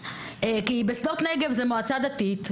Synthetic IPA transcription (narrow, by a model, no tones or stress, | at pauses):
kibesd̪ot̪neɡe̞vzemoat͡sad̪at̪it̪